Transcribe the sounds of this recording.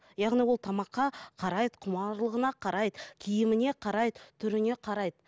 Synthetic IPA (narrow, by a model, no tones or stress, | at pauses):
jɑʁnijwo̞lˠt̪ʰɑmɑqːɑqʰɑɾɑjd̪əqʰʊmɑɾlˠəʁənɑqʰɑɾɑjd̪əkʲʰijɪmɪne̞qʰɑɾɑjd̪ət̪ʰʏɾɪne̞qʰɑɾɑjd̪ə